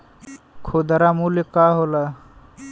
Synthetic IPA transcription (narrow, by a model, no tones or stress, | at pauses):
kʰoːd̪əɾaːmuːlekaːɦolaː